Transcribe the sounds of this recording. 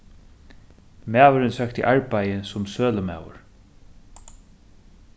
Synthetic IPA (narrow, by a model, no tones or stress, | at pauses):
mæːvʏɾʏnsak̚t̪ʰːɪ̰ʔaɹpajəsʊmsøːləma̰ːwʊ̰ɹ